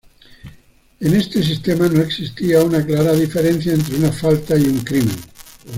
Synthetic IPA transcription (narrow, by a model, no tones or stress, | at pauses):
enest̪es̬ist̪emanoeksist̪iaunaklaɾaðifeɾẽn̟θjaent̪ɾeunafalt̪aiuŋkɾimḛ̃n